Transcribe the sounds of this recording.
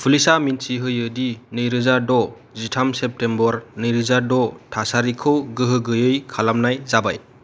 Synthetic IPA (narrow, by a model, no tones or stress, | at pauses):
pʰulisaminsiɦɯjɯdinɯjɾɯzadɔ | zitʰamsep̚tembɔɾnɯjɾɯzadɔtʰasaɾikʰɯwɡɯɦɯɡɯjɯjkʰalamnajzabaj